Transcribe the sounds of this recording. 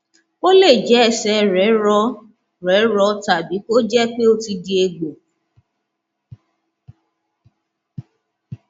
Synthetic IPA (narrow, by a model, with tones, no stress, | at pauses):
o˦le˦˨d͡ʒɛ˨˦ɛ˨sɛ˧˦ɾɛ˨˦ɾɔ˧˦ | ɾɛ˨˦ɾɔ˧ta˨bi˨˦ko˦d͡ʒɛ˦k͡pe˦o˦ti˧di˨˦e˧ɡ͡bo˨